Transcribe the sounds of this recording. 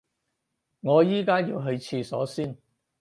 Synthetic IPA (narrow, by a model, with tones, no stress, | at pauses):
ŋɔː˨˧jiː˥kaː˥jḭː˧wɦɵ˧ɥt͡sʰiː˧sɔ̰ː˨˥siː˥n